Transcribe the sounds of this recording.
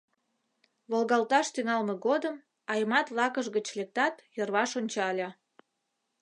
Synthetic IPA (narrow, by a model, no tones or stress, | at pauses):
βolɣɑlt̪ɑʃt̪yŋɑlmeɣod̪əm | ɑjmɑt̪βlˠɑkəʒɣət͡ɕlʲek̚t̪ɑt̪jərβɑʃonʲt͡ɕɑlʲɑ